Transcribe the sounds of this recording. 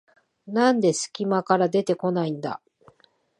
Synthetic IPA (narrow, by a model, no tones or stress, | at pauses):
nãnd̪e̞sɨ̥kʲimakaɾad̪e̞t̪e̞ko̞naĩnd̪a̰